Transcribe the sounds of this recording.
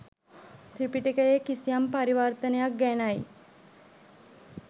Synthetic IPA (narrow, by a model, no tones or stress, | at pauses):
t̪ɾipiʈikəjekisijampaɾiʋərt̪ənejak̚ɡænaj